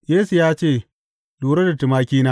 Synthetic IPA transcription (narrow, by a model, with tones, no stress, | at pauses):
jeː˦su˨jaː˦t͡ʃeː˦˨ | luː˨ɾɐ˦dɐ˨ti˨maː˦kʲiː˦naː˦